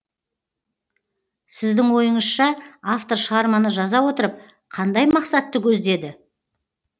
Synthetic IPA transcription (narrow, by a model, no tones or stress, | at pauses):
sɪzd̪ɪŋwo̞jəɴəsʃɑaft̪o̞ɾʃəʁɑɾmɑnəʒɑzɑwo̞t̪əɾəp̚ | qʰɑnd̪ɑjmɑqsɑt̪ːəkʲʰɵzd̪e̞d̪ɪ